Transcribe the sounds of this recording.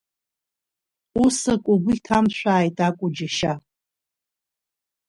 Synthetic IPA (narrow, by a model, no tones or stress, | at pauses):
usakʷʼʊɡʷʊjtʰamʃʷᶣaːjtʼakʷʼʊd͡ʒaʃa